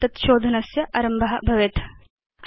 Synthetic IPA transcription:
t̪ɐt̪ʃoːd̪ʱɐnɐsjɐʔɐ̰ɾɐmbʱɐɦɐbʱɐʋet̪

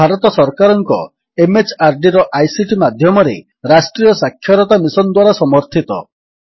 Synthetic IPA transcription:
aɾɔt̪ɔsɔɾkaɾɔŋkɔ | emet͡ʃʰaɾɖiɾɔʔajsiʈimad̪ʱjɔmɔɾe | ɾasʈɾijɔsakʰːjɔɾɔt̪amisɔnd̪waɾasɔmɔɾt̪ʰit̪ɔ̰

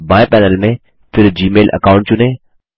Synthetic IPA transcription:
bãːepɛːnəlmẽ | pʰɪɾd͡ʑiːmeːlʔɐ̰kaːʊ̃ɳʈ̚t͡ɕʊnẽː

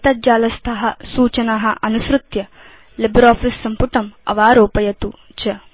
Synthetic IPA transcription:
t̪ɐd͡ʒaːlɐst̪ʰɐɦɐsuːt͡ʃɐnaːɦɐ̆ʔɐnusɾut̪jɐ | lɪbɾaːfʰisːɐmpuʈɐmɐ̰ʋaːɾoːpɐjɐt̪u | t͡ʃɐ

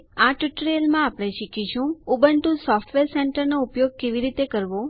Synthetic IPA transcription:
aʈuʈɾelmãapɽ̃ẽʃikit͡ʃʰũubəɳʈũsɔfʈʋeɾseɳʈəɾnoupjoɡ̚keʋiɾit̪ekəɾʋo

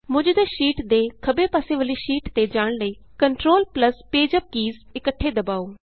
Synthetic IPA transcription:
mʊ̃d͡ʒd̪eːʃiːʈd̪eːkʰəbeːpaːseːʋəliːʃiːʈt̪eːd͡ʒaːɽ̃ləiː | kəɳʈɾoːlpləspeːd͡ʒəp̚kiːzɪkəʈʰːeːd̪əbaːoː

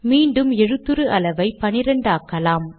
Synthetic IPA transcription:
miːɳɖɯmɛɻɯt̪ːɯɾɯʔɐlɐʋɐɪpɐnɪɾɐɳɖaːkːɐlaːm

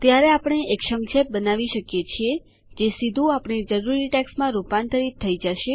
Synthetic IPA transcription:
t̪jaɾeapəɳ̃eʔekʃəmʃʰep̚bənaʋiʃəkjet͡ʃʰie | d͡ʒesid̪ʱũapɳ̃id͡ʒəɾuɾiʈɛksmãɾupant̪əɾit̪ʰːəid͡ʒaʃe

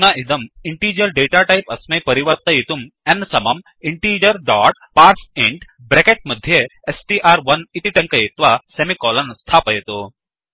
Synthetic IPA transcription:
naʔid̪ɐmiɳʈiːd͡ʒəɾɖeʈaʈajipɐsmejpɐɾiʋəɾt̪ɐjit̪um | ɛnːsɐmɐm | iɳʈid͡ʒəɾɖɔʈ̚paɾseɳʈ | bɾekeʈ̚mɐd̪ʱːjeesʈiʔaɾʋɐnit̪iʈɐŋkəjit̪ʋasemikɔlɐnst̪ʰaːpəjet̪o

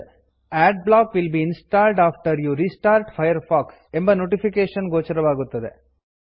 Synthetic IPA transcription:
æːɖ̚blaːkʋilbiːinsʈaːlɖaːfʈɐɾjuɾiːsʈaːɾʈfʰɐjɐɾfaːksembɐnoːʈifikeːʃɐnɡoːt͡ʃɐɾɐʋaːɡut̪ːɐd̪ḛ

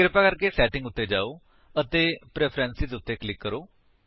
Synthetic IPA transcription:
ɡɾɪpːaːkəɾkeːsɛːʈɪ̃ŋɡʊt̪ːeːd͡ʒaːoː | ət̪eːpɾɛːpʰɾɛːnsizʊt̪ːeːkəlɪkːəɾoː

